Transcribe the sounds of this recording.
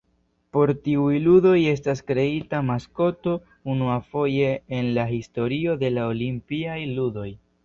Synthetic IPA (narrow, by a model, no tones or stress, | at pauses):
po̞ɾtiujludo̞je̞s̬taskɾe̞itamasko̞to̞ | unuafo̞je̞ːnlahisto̞ɾio̞de̞laolimpiajludo̞j